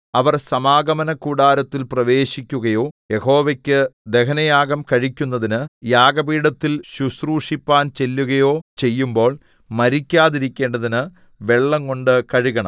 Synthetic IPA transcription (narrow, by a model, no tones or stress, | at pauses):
ɐʋɐrsɐmaːɡɐmɐnɐkuːɽaːɾɐt̪ːilprɐʋe̞ːɕikʲːuɣɐjo̞ːjeho̞ːʋɐkʲːɨd̪e̞kɐnɐjaːɡɐmkɐɻikʲːunːɐðinɨjaːɡɐbiːɽɐt̪ːilɕusruːʂipːaːnt͡ɕe̞lːuɣɐjo̞ːt͡ɕe̞jːumbo̞ːɭ | mɐɾikʲːaːðiɾikʲːe̞ːɳɖɐðinɨ | ʋe̞ɭːɐŋko̞ɳɖɨkɐɻiɣɐɳɐ̰m